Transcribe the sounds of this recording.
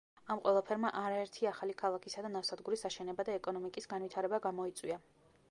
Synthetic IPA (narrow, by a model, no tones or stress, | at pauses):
amqʼwɛlˠapʰɛɾmaʔaɾaɛɾt̪ʰiaχalikʰalˠakʰisad̪anavfsad̪ɡuɾisaʃɛnɛbad̪aɛkʼɔnɔmikʼisɡanvit̪ʰaɾɛbaɡamɔit̪sʼwia